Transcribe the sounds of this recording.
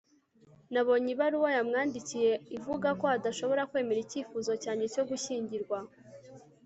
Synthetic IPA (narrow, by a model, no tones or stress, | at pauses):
naβo̞ɲiβaɾuwojamŋaːndicije̞ivuɡako̞adaʃo̞βo̞ɾakwe̞ːme̞ɾiciːfuzo̞caːɲe̞co̞ɡuʃiːɲɟiɾɡwa